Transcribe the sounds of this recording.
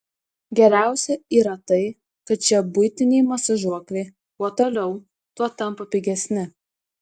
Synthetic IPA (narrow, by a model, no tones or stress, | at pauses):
ɡʲɛɾʲæˑʊsʲɛiːɾɐt̪ɐɪ | kɐt̪̚t͡ʃʲɛbʊɪt̪ʲɪnʲɛɪmɐsɐʒuɔklʲeɪ | uɔt̪olʲɛʊ | t̪uɔt̪ɐmpɐpʲɪɡʲɛsʲnʲɪ